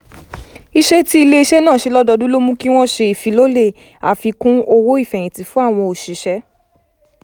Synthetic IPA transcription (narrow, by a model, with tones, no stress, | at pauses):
i˦ʃe˦ti˦i˧le˦i˧ʃɛ˦nãː˦˨ʃe˧lɔ˦dɔ˧dũ˦lo˦mũ˦ki˦w̃ɔ̃˦ʃe˧i˨fĩ˨˦lo˦le˦˨ | a̰˨fi˧kũ˦o˧wo˦i˦˨fɛ̃˨j̃ĩ˨ti˨˦fũ˦a˦˨w̃ɔ̃˧o˨ʃi˨˦ʃɛ˦